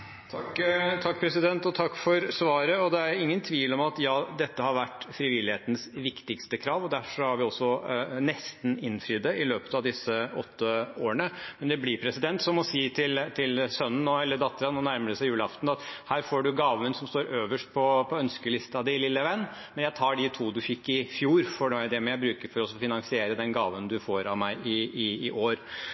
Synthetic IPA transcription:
t̪ʰɑkt̪ʰɑkːpʰɾɛsɪd̪ɛnt̪ɔt̪ʰɑkːfɔɾsʋɑːɾəɔd̪ɛæɾɪŋːənt̪ʰʋiːlɔmɑt̪jɑːd̪ɛt̪ːəhɑɾʋæʈːfɾɪʋɪlɪheːt̪n̩sʋɪkt̪ɪkst̪əkʰɾɑːʋɔd̪æɾfʂɔhɑɾʋɪɔsːɔnɛst̪nɪnfɾiːd̪əɪløːpə̥t̪ɑʋd̪ɪsːəɔt̪ːəoːəɳəmɛnd̪ɛblɪpʰɾɛsɪd̪ɛnt̪sɔmɔsiːt̪ʰɪlt̪ʰɪlsœnn̩ɔɛlːəɖɑt̪ːəɾɑnɔnæɾməɾəsæjʉːləɑft̪n̩ɑt̪hæːɾfoːɖʉɡɑːʋənəsɔmst̪oːɾøːʋəʂʈ̚pʰɔpʰɔœnskəlɪst̪ɑd̪ɪlɪlːəʋɛnː | mɛnjæɪt̪ʰɑːɖɪt̪ʰuːd̪ʉfɪkːɪfjuːɾfɔɖd̪ɛmɛjæɪbɾʉːkəɾfɔɾɔsɔfɪnɑŋsɪeːɾəd̪ɛnɡɑːʋənd̪ʉfoːɾɑʋmæɪɪɪːʔoːɾ

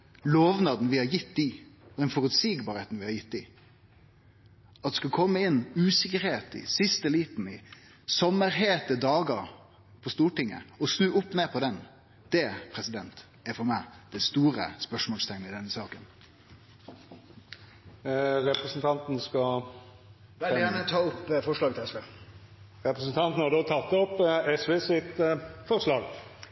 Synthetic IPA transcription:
loːʋnɑːd̪n̩ʋɪhɑɾjɪt̪ːɪd̪ɛnfɔɾʉt̪siːɡbɑːɾeːt̪n̩ʋɪhɑɾjɪt̪ːɪ | ɑt̪ɛskɑkʰɔmːəɪnːʉːsɪkəɾheːt̪ɪ̰sɪst̪əliːt̪nɪ | sɔmːəɾɦeːt̪əd̪ɑːɡəɾ | pʰɔst̪uːʈɪŋːə̰ɔsnʉːʊpːneːpʰɔd̪ɛn | d̪̥ɛpʰɾɛsɪd̪ɛnt̪ | æɾfɔɾmæɪd̪̥ɛst̪uːɾə̰spœʂmɔːlst̪ʰɛŋnəɪd̪ɛnːəsɑːkən | ɾɛpʁəsn̩t̪ʰɑnt̪n̩skɑ | ʋɛɪjæːnət̪ʰɑːʊpːfɔʂlɑːɡt̪ʰɪlɛsʋeː | ɾɛpʁəsn̩t̪ʰɑnt̪n̩hɑʁd̪oːt̪ʰɑt̪ːɔpɛsʋeːsɪt̪fɔʁslɑːɡ

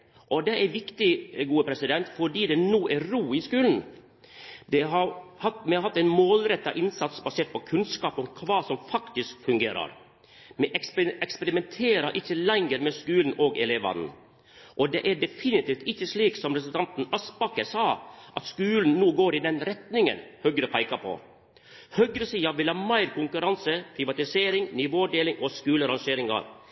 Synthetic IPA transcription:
ʔɔd̪ɛʔæɾʋɪkt̪ɪɡuːəpʰɾɛsɪd̪ɛnt̪fɔɖiːd̪ɛnuːʔæɾɾuːɪskʉːln̩ | d̪ɛɦɑɾhɑt̪mɛɑɾhɑt̪ːæɪnmoːlɾɛt̪ːɑ̰ʔɪnsɑt̪sbɑseːʈ̚pʰɔkʰʉnskɑːpɔmkʰʋɑːsɔmfɑkt̪ɪskfʉŋɡeːɾɑ̰ɾ | mɛʔɛkspɛkspɛɾɪmɛnt̪ʰeːɾɑɾʔɪçːəlɛŋəɾmɛskʉːln̩ʔoːɡɛ̰leːʋɑ̰nn̩ | ʔɔd̪ḛːʔæɖɛfɪnɪt̪iːft̪ɪçəsliːksɔmɾɛsʉld̪ɑnt̪n̩ɑspɑkəsɑːʔɑt̪skʉːln̩nuːɡoːɾɪːd̪ɛnɾɛt̪nɪŋə̰nhœɡɾəpʰæɪkɑpʰɔ̰ | hœɡɾəsiːɑʋɪlhɑːmæɪɾkʊŋkʉɾɑnsəpʰɾɪʋɑt̪ɪseːɾɪŋnɪʋoːɖeːlɪŋʔoskʉːləɾɑŋʃeːɾɪŋɑ̰ɾ

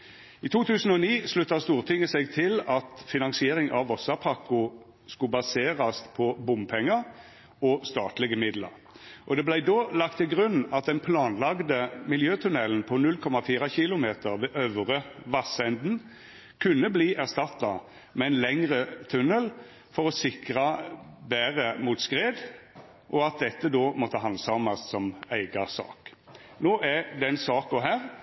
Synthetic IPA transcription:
iːt̪ʰuːt̪ʰʉːsn̩ɔniːslʉt̪ːɑst̪uːʁt̪ʰɪŋːəsɛɡt̪ʰɪlɑt̪fɪnɑnsɪeːʁɪŋʔɑʋʋɔsɑpʰɑkʊ | skʉbɑseːʁɑspʰɔbʊmpʰɛŋːɑ | ɔst̪ɑːt̪lɪɡəmɪd̪lə̰ʁ | ʔɔd̪ɛblæɪd̪oːlɑk̚t̪ʰːɪɡʁʉnɑt̪̚d̪ɛnpʰlɑːnlɑɡd̪əmɪljøːt̪ʰʉnɛlənpʰɔnʉlkʰɔmɑfiːʁɑçɪlʊmeːt̪əʁʋeːʔøʋʁəʋɑsɛnd̪n̩ | kʰʉnːəbliːʔæʁst̪ɑt̪ːɑ | mɛɛnlɛŋʁət̪ʰʉnəl | fɔʁɔsɪkʁɑbæːʁəmuːt̪skʁeːd̪ | ʔɔɑt̪̚d̪ɛt̪ːəd̪oːmɔt̪ːəɦɑnsɑmɑssɔmæɪɡɑsɑ̰ːk | noːʔæd̪ɛnsɑːkɔɦæːʁ

